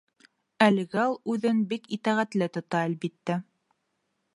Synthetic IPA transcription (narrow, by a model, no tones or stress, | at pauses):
ælɘ̆ɡælˠʉðɘnbikit̪æʁæt̪lɘt̪ŏt̪ɑælbit̪ːæ